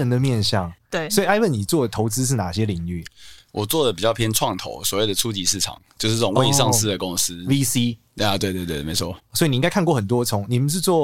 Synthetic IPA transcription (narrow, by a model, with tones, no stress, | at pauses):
ə˧˦nd̪ə˨mjɛ˥˧nɕjɑ˥˨˩ŋe˥˩swɔ˧˥i˨a˥˧ɪwə˥˩ni˨˩t͡swɔ˥˩d̪ə˩t̪ʰo˧˥ʊt͡sɹ̩˥˦ʂ̬ɻ̩˥˩na˨˩ɕjɛ˦˥li˨˩˦ŋy˥˩wʔɔ˨˩t͡swɔ˥˩d̪ə˩pi˨t͡ɕjɑ˥˩ʊpʰjɛ˥nʈ͡ʂʰwɑ˥˨ŋt̪ʰo̰˧˦ʊswɔ˨˩we˥˩ɪd̪ə˨˩t͡sʰu˦t͡ɕi˨˥ʂɻ̩˥˩ʈ͡ʂʰɑ̰˨˩˦ŋt͡ɕjo˥˧ʊʂ̩˥˩t͡sə˥˩ʊ˨ŋwe˥˧˥ʂɑ˥˧ŋs̩˥˧˨d̪ə˩kʊ˦ŋs̩˦vi˦si˦ | a˨t̪we˥˧ɪt̪we˥˧t̪wme˨˦ɪt͡sʰwɔ˦swɔ˧˥i˨˩i˨˧˦ŋɡa˥ɪkʰa˥˧kwɔ˥˩xə˨˩nt̪wɔ˥t͡sʰʊ˧˥ŋni˨˩mə˨nʂ̬ɻ̩˥˧t͡swɔ˥˩